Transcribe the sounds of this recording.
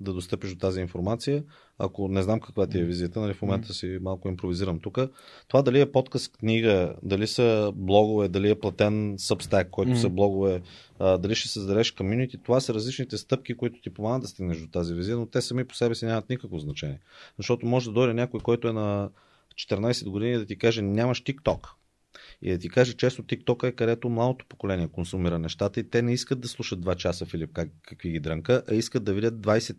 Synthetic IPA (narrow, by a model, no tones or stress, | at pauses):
d̪ɐd̪ost̪ɤpiʃd̪ot̪aziːnfoɾmat̪sijə | ɐ̰konɛznamkɐkvat̪iɛvizijət̪ənɐlifmomɛnt̪əsimalˠkʊimpɾoviziɾəmt̪ukət̪ovad̪ɐliɛpɔt̪kəskniɡəd̪ɐlisəblˠɔɡovɛd̪ɐliɛplˠɐt̪ɛnsəpst̪akːɔjt̪ʊsəblˠɔɡovɛ | d̪ɐliʃt̪ɛ̥səzd̪ɐɾɛʃkomjunit̪it̪ovasəɾɐzlit͡ʃnit̪ɛst̪ɤp̚k̟ikoit̪ʊ̥t̪ipomanəd̪ːɐst̪iɡnəʃʒd̪ot̪azivizijənot̪ɛsɐmipo̥sɛbɛsinʲamət̪nikəkvoznɐt͡ʃɛnʲiɛzɐʃt̪ɔt̪omɔʒɛd̪ɐd̪ɔjɾʲənʲakoikɔjt̪ʊɛnɐ | t͡ʃɛ̥t̪ɛɾnajsɛd̪ɡod̪inid̪ɐt̪ikaʒɛnʲamɐʃt̪ikt̪ɔk | ḭd̪ɐt̪ikaʒɛt͡ʃɛst̪ot̪ik̚t̪ɔkəɛkɐd̪ɛt̪omlˠad̪ot̪o̥po̥kolɛniɛkonsʊmiɾənɛʃt̪at̪əit̪ɛnɛiskət̪d̪ɐslˠuʃəd̪d̪vat͡ʃasəfilip̚kakəkviɡid̪ɾəŋkəʔɐiskət̪d̪ɐvid̪ʲət̪̚d̪vajsɛt̪